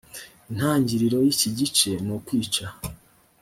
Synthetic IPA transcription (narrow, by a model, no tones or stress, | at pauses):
in̥haːɲɟiɾiɾo̞jiciɟit͡ʃe̞nokwiːt͡ʃa